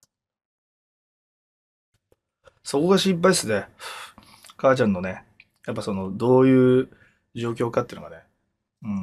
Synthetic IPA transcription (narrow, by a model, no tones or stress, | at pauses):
so̞ko̞ɡaɕip̬ːaisɨd̪e | kaːt͡ɕãnːo̞ne | japːaso̞no̞d̪o̞ːjɯ̟ː | d͡ʑo̞ːk̬ʲo̞ːkat̪eiɯ̟nka̰ne̞ | ɯ̃